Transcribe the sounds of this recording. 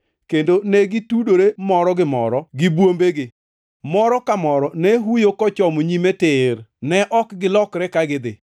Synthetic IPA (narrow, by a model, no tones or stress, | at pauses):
kendonɛɡɪtudoɾemɔɾɔɡɪmɔ̰ɾɔɡɪbwombeɡɪ | mɔɾɔkamɔɾɔnɛɦujokɔt͡ʃɔmɲimetɪrnɛʔɔkɡɪlɔkɾɛkaɡɪd̪ɪ̰